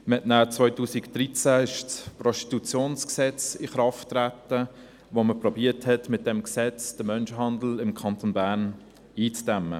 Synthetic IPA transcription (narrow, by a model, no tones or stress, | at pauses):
məhɛtnaːt͡sʋœʏtuːsikd̥ɾit͡sæɪʃsprɔsti̥t̪ut͡sjoːnsksɛt͡sɪχɾɑftɾætːə | voməprɔbiəthɛtmɪt̚d̥ɛmksɛt͡sd̥əmœnʃəɦɑndl̩ɪmkʰɑnt̪onbæːɾn | iːt͡sd̥ɛmːə̰